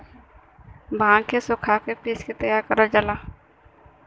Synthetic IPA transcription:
bʱãːkesʊkʰakepiːskit̪əjaːɾkəɾəd͡ʒəla

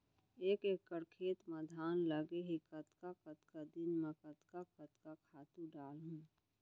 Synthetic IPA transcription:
eːkekːəɾkʰeːt̪məd̪ʱaːnləɡeɦikət̪kakət̪kad̪ɪnmẽkət̪kakət̪kakʰaːt̪ũɖaːlɦũ

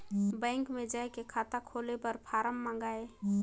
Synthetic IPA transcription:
bə̃ɪŋkmed͡ʒaekekʰat̪akʰolepəɾpʰaɾəmːə̃ŋɡae

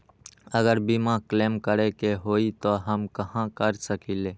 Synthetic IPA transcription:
əɡəɾbimãkleːmkəɾekeɦoːit̪oɦəmkɐɦãkəɾsəkiːleː

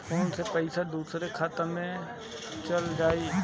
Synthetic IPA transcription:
poːnsepəɪsad̪uːsɾekʰaːt̪əɾmẽ | t͡ʃəld͡ʒaːiː

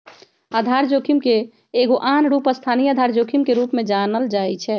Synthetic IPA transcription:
ad̪ʱaɾd͡ʒokʰimkeː | ɡoʔanɾuːpəst̪ʰanijəd̪ʱaɾd͡ʒoːkʰimkeɾupmẽd͡ʒanəld͡ʒaːɛt͡ʃʰɛ

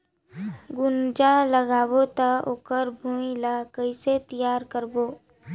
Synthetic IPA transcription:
ɡʊnd͡ʒaləɡaːbot̪aoːkəɾbʱuːmilakəiset̪ijaːɾkəɾboː

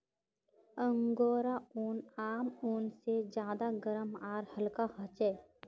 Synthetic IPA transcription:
ə̃ŋɡoːɾauːnaːmuːnsed͡ʒjaːd̪aɡəɾəmaːɾhəlkahət͡ʃɛː

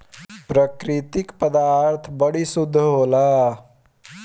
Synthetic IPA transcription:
pɾəkɾɪt̪ɪkpəd̪aːɾt̪ʰbəɽisʊd̪ʱːəɦoːlaː

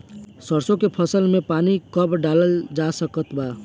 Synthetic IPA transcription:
səɾsõkepʰəsəlmepanikəbɖaləld͡ʒasəkət̪ba

